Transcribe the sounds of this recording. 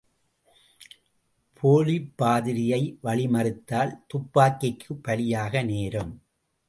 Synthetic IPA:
pʰoːlipːaːðɪɾɪjɐɪʋɐɭɪmɐrɯt̪ːaːlt̪ʊpːaːkːɪkkʰːɯpːɐɭɪjaːɣɐneːɾɯm

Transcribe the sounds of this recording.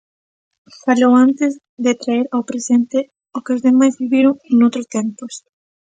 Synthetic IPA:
faʎowant̪ɪz | ðet̪ɾaeɾawpɾesent̪ɪ | ʊkeʊzðemajzβiβiɾoŋnowt̪ɾʊst̪ẽmpʊs

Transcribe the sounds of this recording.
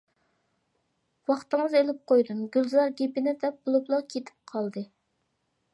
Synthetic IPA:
wɑχt̪ɨŋəzelɪp̚qojd̪umɡʲylˠzɑɾɡʲepɪnɪd̪ɛp̚bolˠuplˠɑqkʲʰet̪ʰɪ̥p̚qʰɑlˠd̪ɨ

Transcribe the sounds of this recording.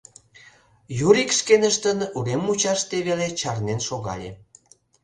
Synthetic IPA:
juɾikʃkenəʃt̪ənuɣemːut͡ɕɑʃt̪eβelet͡ɕɑrnenʃoɣɑ̰lʲḛ

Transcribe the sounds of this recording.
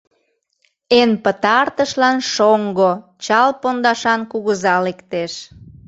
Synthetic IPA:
enpət̪ɑrt̪əʃlɑnʃoŋɡot͡ɕɑlpond̪ɑʃɑnkuɣəzɑlekt̪eʃ

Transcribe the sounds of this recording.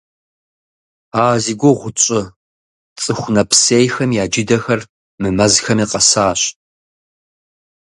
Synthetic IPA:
aːziɡʷoʁʷʊt͡ʃʼɪ | t͡sʼɨxʷnɐpʰseːjxɐmjaːd͡ʒɪdɐxɐr | mɨmɐzxɐmiːqɐsaːɕ

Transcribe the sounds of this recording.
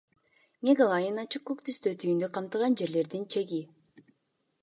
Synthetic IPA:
mʲeɡalˠajɯnɑt͡ʃɯkːukt̪yst̪øt̪ʰyjynd̪øqʰɑmt̪ɯʁɑnd͡ʒe̞ɾle̞ɾd̪int͡ʃʰe̞ɡi

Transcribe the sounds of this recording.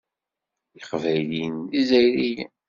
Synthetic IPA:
iχvæjlinizæjɾijæ̰

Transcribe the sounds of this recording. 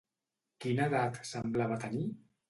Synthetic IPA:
kinaðat̪səmblaβat̪əni

